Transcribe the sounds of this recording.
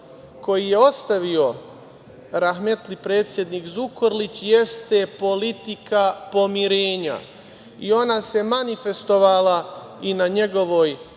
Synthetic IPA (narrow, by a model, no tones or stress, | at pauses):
ko̞jije̞o̞st̪aʋio̞ | ɾaxmet̪lipɾe̞ːt̪sje̞d̪nikzukoɾlit͡ɕjest̪e̞po̞lit̪ikapo̞miɾe̞ːɲa̰ | io̞nase̞manife̞st̪o̞ʋalainaɲe̞ɡo̞ʋo̞j